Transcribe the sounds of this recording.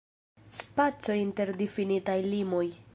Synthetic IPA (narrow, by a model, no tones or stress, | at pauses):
spat͡so̞jinte̞ɾdifinitajlimo̞j